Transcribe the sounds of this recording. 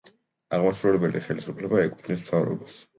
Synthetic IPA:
aʁmasɾɔlɛbɛliaχɛlisupʰlɛbaɛkʼu̥pʰnismt̪ʰavɾɔ̰bas

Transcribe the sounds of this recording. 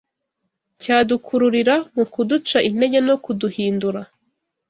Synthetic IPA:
caːdukʰuɾuɾiɾamukudut͡ʃaʔin̥e̞ɟeno̞kuduhiːnduɾa

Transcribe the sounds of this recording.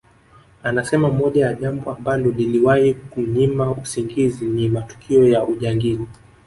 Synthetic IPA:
anasɛmamɔʄajaʄambɔambalɔliliwahikuɲimausiŋɡizinimatu̥kʰiɔjauʄaŋɡili

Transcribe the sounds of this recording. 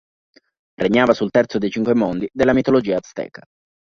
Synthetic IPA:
rʔeɲːaːvasult̪ɛrt̪sod̪ejt͡ʃiŋkwemond̪id̪elːamit̪olod͡ʒiːat̪st̪ɛ̰ːka

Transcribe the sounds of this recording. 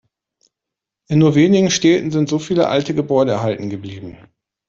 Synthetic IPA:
ʔɪnːuːɐveːnɪɡŋ̩ʃtɛːtn̩zɪntz̥ofiːlə̰ʔa̰ltəɡəbɔʏɾəɛɐɦaltn̩ɡəbliːbm̩

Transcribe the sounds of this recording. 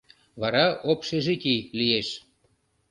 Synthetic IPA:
βɑɾɑopʃeʒekilieʃ

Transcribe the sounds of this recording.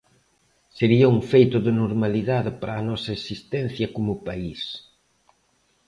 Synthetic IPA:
seɾiɐuŋfejt̪ʊðɪnoɾmaliðaðɪpaɾɐːnɔsɐesist̪ɛn̟θjɐkomʊpais

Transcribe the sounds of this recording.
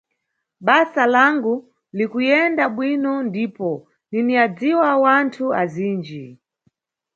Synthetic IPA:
ɓasalaŋɡu | likujɛndaɓwinɔndiːpɔ | niniad͡ziwawantʰuaziːnd͡ʒi

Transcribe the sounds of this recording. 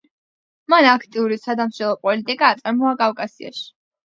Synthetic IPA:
manakʰt̪ʼiuɾisad̪amʃɛlˠɔpʼɔlit̪ʼikʼaːt̪sʼaɾmɔakʼafkʼasia̰ʃi̥

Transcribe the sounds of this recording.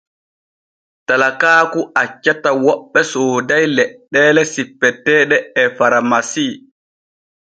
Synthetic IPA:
talakaːkuʔat͡ʃːatawɔɓːɛsoːdajlɛɗːɛːlɛsipːɛtɛːɗɛɛfaɾamasiː

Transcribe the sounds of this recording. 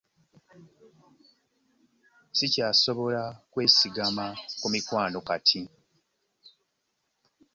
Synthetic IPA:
sicaːso̞βo̞lakwe̞ːsiɡamakumikwaːno̞katʰi

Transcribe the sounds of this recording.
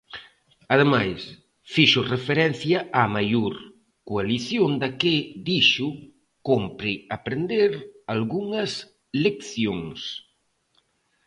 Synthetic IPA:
að̞emajs | fiʃʊrefeɾɛn̟θjaʔamajoɾ | kualiθjond̪aked̪iʃʊ | kompɾɪapɾend̪eɾalɣuŋɐs | lekθjoŋs

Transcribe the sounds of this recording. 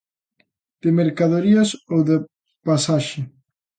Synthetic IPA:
d̪̥emeɾkaðoɾiasowðe | pasaʃɪ

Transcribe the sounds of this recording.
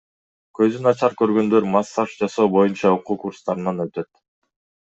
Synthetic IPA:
kø̞zynɑt͡ʃɑɾkøɾɡø̞nd̪ø̞ɾmɑsːɑʃd͡ʒɑso̞ːbo̞junt͡ʃɑuquːkuɾst̪ɑɾɯnɑnø̞t̪ø̞t̪

